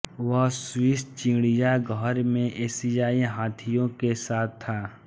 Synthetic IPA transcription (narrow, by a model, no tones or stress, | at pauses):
ʋəɦswɪst͡ʃĩːɽijaɡʱəɾmẽʔeːsijaːiɦaːt̪ʰijõkesaːt̪ʰːaː